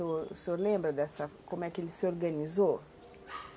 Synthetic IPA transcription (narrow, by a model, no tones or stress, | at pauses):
osolɛ̃mbɾd̪asakomɛkilsɔrɡanizo